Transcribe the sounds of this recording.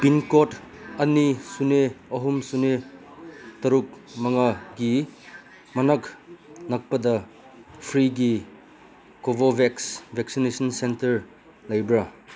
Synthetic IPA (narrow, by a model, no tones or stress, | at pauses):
pinkotɐnisuneɐɦumsune | tɐɾuk̚mɐŋɐɡi | mɐnɐknɐk̚pɐdɐ | pʰɾiɡi | kobobʱeksbʱeksinesɐnsentɐɾ | lɐjbɾɐ